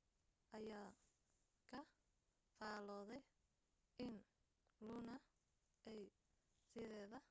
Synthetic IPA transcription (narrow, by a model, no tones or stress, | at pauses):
ʔɐjaː | kʰɐ | faːlɔːðɛj | ʔɪn | lunɐ | ɛj | sɪðɛːðɐ